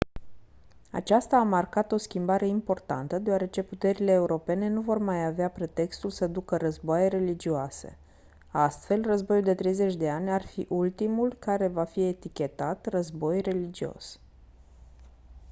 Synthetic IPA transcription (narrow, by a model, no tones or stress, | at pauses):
a̰t͡ʃast̪aːmarkat̪o̞skʲimbaɾe̞impo̞rt̪a̰nt̪əd̪eoaɾe̞t͡ʃe̞put̪e̞ɾile̞ːuɾo̞pe̞ne̞nuvo̞rmajaveapɾe̞t̪e̞kst̪ulsəd̪ukərəzboajeɾe̞lid͡ʒioase̞̰ | ast̪fe̞lrəzbo̞juld̪e̞t̪ɾe̞jze̞t͡ʃʲd̪e̞anʲarfiʔult̪imulkaɾe̞vafie̞t̪ikʲe̞t̪at̪rəzbo̞jre̞lid͡ʒio̞̰s